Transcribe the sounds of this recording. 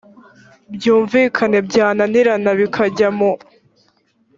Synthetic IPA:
bjuːɱviːkʰane̞bɟaːnaniɾanaβikʰaɟamo

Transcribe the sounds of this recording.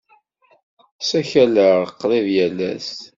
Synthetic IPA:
sæçæləʁəqːliðjælːæ̰s

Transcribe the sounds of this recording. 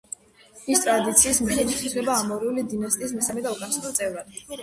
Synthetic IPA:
ist̪ʼɾad̪it̪sʰiːsmiχɛlisislɛbaːmɔɾiulid̪inast̪ʼiːs̬mɛsamɛd̪aukʼansiɾut̪sʼɛvɾad̪

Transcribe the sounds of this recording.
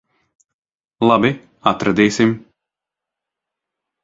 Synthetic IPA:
lˠabi | at̪ɾad̪iːsim

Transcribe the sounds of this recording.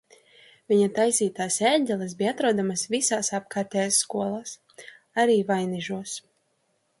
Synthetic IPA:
vʲiɲat̪ajsiːt̪aːsɛɟʲɛlˠɛsbiat̪ɾuɔd̪amasvisaːsap̚kaːɾt̪ʲɛjasːkuɔlˠaːs | aɾiːvajniʒuɔs

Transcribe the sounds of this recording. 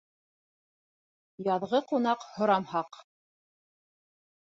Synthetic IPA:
jɑðʁɤqunɑqhŏɾɑmhɑq

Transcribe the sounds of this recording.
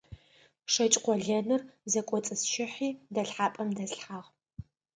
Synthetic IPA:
ʂɐt͡ʃʼqʷɔɮɐnɨrzɐkʷʼɔt͡sʼɨsʃɪħiːdɐɬħaːpʼɐmdɐsħaʁ

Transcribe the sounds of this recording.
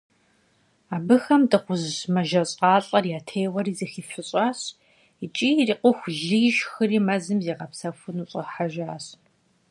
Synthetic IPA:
aːbɨxɐmdɨχʷʊzɕmɐʒɐɕʼqɑːɬʼɐrjaːtʰeːwɐriːzixiːfʷɨɕʼaːɕ | it͡ʃʼiːriːqʷʊxʷɮɨʒxɨriːmɐzɨmziːʁɐpsɐfʷʊnuːɕʼɐħaʒaːɕ

